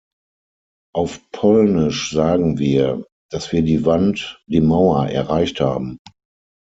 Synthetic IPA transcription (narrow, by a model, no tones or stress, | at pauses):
ʔaʊfpʰɔlnɪʃz̥aːɡŋ̩viːɐ | d̥asv̥iːɐdiːvantd̥iːmaʊɐʔɛ̰ɐʁaɪçtha̰ːbm̩